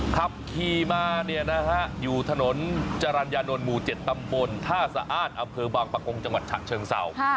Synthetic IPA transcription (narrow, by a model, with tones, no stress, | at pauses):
kʰa˦˥p̚kʰiː˧˩maː˧ni˥˩əna˦˥ha˦˥ʔjuː˨˩t̪ʰa˧no˩˦nt͡ɕa˧ɾaː˧njaː˧no˧nmuː˨˩t͡ɕe˨˩t̪ːa˧mbo˧nt̪ʰaː˥˩saː˦ʔaː˧˥˩t̪̚ʔa˧mpʰɤː˧baː˧ŋpa˧ko˧ŋt͡ɕa˧ŋwa˨˩t̪̚t͡ɕʰa̰˨˩t͡ɕʰɤː˧ŋsa̰˨˩w